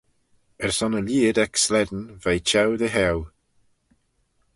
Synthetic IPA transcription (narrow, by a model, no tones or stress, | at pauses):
əɹsɔnəljiːdɛkslɛdn̩vejt͡ʃɛwðəɦɛw